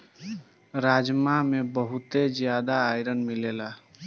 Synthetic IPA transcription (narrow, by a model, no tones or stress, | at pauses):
ɾaːd͡ʒmamebəɦʊt̪ed͡ʒjaːd̪aːjɾənmileːla